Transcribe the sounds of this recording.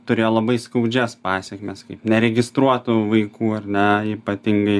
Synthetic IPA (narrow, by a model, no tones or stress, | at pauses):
t̪ʊɾʲeːjoːlˠɐbɐɪskɐʊd͡ʒʲɛspɑːsʲɛkʲmʲɛskɐɪpnʲɛɾʲɛɡʲɪst̪ɾuɔt̪uʋɐɪkuːɐrʲnʲɛiːpɐt̪ʲɪŋɡɐɪ